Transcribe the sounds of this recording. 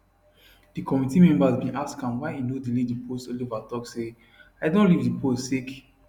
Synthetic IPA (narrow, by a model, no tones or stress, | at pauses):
d̥ikʰɔmitimɛ̃mbazbĩnʔaskãnwaɪinodilivdipʰostolivatɔkse | aɪdõnlivdipossik